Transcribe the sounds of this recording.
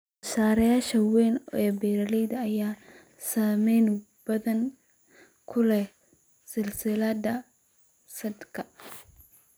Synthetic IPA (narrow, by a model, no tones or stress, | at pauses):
ʊsaːɾɐjaːʃɐwɛjnɛbɛːɾɐlɛjd̪ɐːjaː | saːmɛjnʊ | b̥ɐðɐŋ | kʰʊlɛ | sɪlsɪlad̪ɐ | sɐd̪kʰɐ